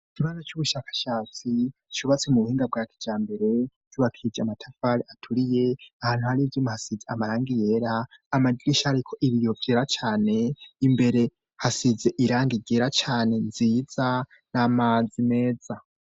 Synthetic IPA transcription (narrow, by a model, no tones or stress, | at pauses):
kʰiβazot͡ʃuβuʃaːkḁʃaːt͡si | t͡ʃuβat͡semuβuhiːŋɡab̚ɡaːkʰi̥d͡ʒaːmbe̞ɾe̞̥ | juβakʰid͡ʒiamatʰafaɾiatʰuɾije̞ahaːn̥uhaɾivjimahasizeamaɾaːŋɡije̞ːɾaːmadiɾiʃaːɾikʰo̞ʔiβijo̞vjeːɾat͡ʃaːne̞imbe̞ɾe̞ | hasize̞ʔiɾaːŋɡiɡeːɾat͡ʃaːne̞nziːz̥a | namad͡zime̞ːd͡za